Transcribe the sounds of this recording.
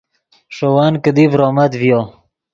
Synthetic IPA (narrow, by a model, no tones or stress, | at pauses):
ʂowankəd̪ivɾoːmad̪vjo